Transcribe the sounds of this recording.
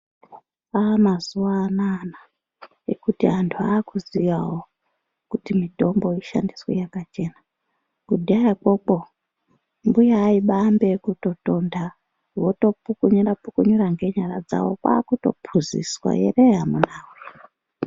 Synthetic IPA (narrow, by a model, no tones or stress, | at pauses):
aːmazuwaːnana | ḛkutiantʰuaːkuziʋawo | kutimitombo̞iʃa̰ndiswḛjakat͡ʃe̞na | kudʱiajako̞k͡po̞ | mbujaːiɓambe̞kuto̞to̞nda | woto̞pukuɲurapukuɲuraŋɡe̞ɲaɾad͡za̰wo̰kwa̰ːkuto̞̰pʰuzḭswa̰jḛreɦamunauro